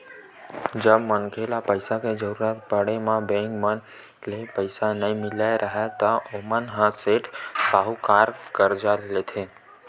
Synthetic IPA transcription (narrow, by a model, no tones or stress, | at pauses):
d͡ʒəbmənkʰelapəɪsaked͡ʒəɾuɾət̪̚pəɽemãbẽŋɡmən | lepəɪsanəimɪlaeɾʔəɦet̪əʔomənɦə̃seʈsaɦukaɾkəɾd͡ʒalːet̪ʰe